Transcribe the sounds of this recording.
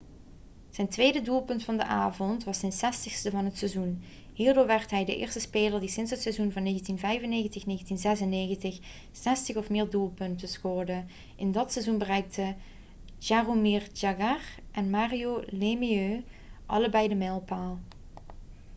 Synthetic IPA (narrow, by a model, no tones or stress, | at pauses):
z̥ɛjntʋejdədulˠpɵntfɑndəʔaːvɔntʋɑsɛnsɛstəxstəvɑnɦətsɛzun | ɦiːɹdʊːɹʋɛɹtɦɛjdə̰ʔɪ̰ːrstəspeːləɹdisɪnsɦətsɛzunvɑnːeːɣəntinvɛjvənejɣəntɪxneːɣəntinzɛzəneːɣəntɪx | sɛstəxɔfmɪːɹdulˠpɵntəsxʊːrdə | ʔɪndɑtsɛzunbərɛjk̚tʰə | ʒ̥aromird͡ʒaɡarʔɛnmaːrijolemiø | ʔɑ̰ləbɛjdəmɛlˠpaːlˠ